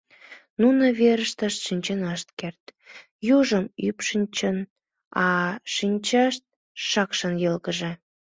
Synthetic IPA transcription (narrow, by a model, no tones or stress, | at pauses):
nunəβeɾəʃt̪əʃt̪ʃinʲt͡ɕenɑʃt̪kert̪ | juʒəmypʃənʲt͡ɕən | ɑʃinʲt͡ɕɑʃt̪̚ | ʃɑkʃənjɤlɣəʒĕ